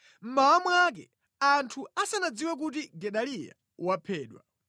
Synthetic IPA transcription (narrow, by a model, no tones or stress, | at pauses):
m̩maːmwak̬ɛ | antʰuasanad͡ziwɛk̬ut̬iɡɛɗalija̰ | wapʰɛːɗwa̰